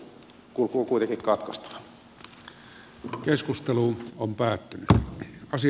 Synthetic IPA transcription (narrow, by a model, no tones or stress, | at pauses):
kulkukuit̪ekikkɑt̪kɑst̪ɑ̥ʋɑ | keskust̪eluːompæːt̪ːynyɑsi